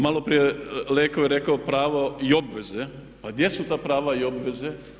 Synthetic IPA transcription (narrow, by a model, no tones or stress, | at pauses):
malo̞pɾijeleːkaojeɾekaopɾaːʋoio̞bʋe̞ze | paɡd̪je̞sut̪aːpɾaːʋaio̞bʋe̞ze